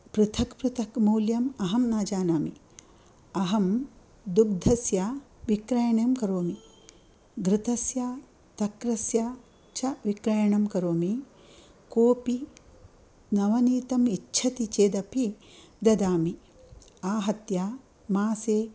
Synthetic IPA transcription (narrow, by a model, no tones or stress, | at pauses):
pɾɨt̪ʰɐkpɾɨt̪ʰɐkmɐwljɐmɐɦɐmnaːd͡ʒaːnaːmi | ɐɦɐm | d̪uk̚d̪ʱɐsjaːʋikɾajɐɳjɐmkɐɾoːmi | ɡɾɪt̪ɐsjaː | t̪ɐkɾɐsja | t͡ʃɐʋikɾajɐɳɐmkɐɾoːmi | koːpi | nɐʋɐniːt̪ɐmitːʃʰɐt̪it͡ʃeːd̪ɐpi | d̪ɐd̪aːmi | aːɦɐt̪jaː | maːseː